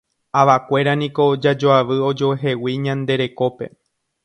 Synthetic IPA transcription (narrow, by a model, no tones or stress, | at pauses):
aʋakʷe̞ɾanĩko̞d͡ʒad͡ʒoaʋɨo̞d͡ʒo̞eɦe̞wiɲãnd̪e̞ɾe̞ko̞pe̞̰